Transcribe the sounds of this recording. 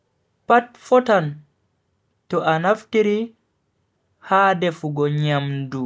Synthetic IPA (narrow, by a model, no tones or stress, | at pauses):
pat̚fɔtan | tɔʔanaftiɾi | haːdɛfuɡɔɲamdu